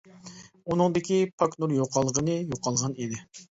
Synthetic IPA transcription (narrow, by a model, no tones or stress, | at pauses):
unɨŋd̪ɪkʲipʰɑknuɾjoqʰɑlˠʁənɨjoqʰɑlˠʁɑnid̪ɪ